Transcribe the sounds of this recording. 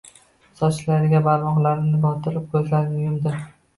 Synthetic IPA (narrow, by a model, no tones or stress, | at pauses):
sɒt͡ʃlaɾɪɡʲabaɾmɒʁlaɾnɪbɒt̪ʰɪɾɪp̚kʲʰɵzlaɾnɪʊjʊmd̪ɪ